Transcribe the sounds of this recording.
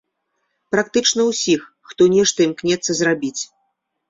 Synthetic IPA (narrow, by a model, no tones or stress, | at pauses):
pɾak̚t̪ɨt͡ʂnɐwsʲixːt̪ɔnʲɛʂt̪ɐimknʲɛt̪sːɐzrabʲit͡sʲ